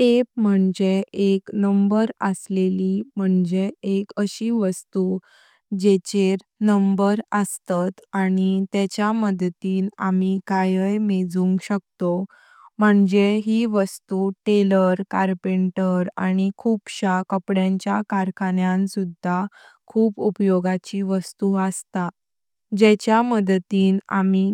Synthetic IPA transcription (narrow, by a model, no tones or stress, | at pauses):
ep̚m̤əɳd͡zeeknəmbəɾəslelim̤əɳd͡zeekəɕiːʋəst̪u | d͡ʑet͡ɕeɾ | nəmbəɾəst̪at̪aɽ̃it̪et͡ɕjaməd̪t̪iːnamikajəjmed͡zuŋɡɕək̚t̪o | m̤əɳd͡zeɦiʋəst̪uʈeləɾkaɾpeɳʈəɾaɽ̃ikʰuːpɕakəpɽjãɲt͡ɕjakaɾkʰanjãnsud̪ʱːa | kʰuːpupjoɡat͡ɕiʋəst̪uəst̪a | d͡ʑɛt͡ɕjaməd̪t̪iːna̰mi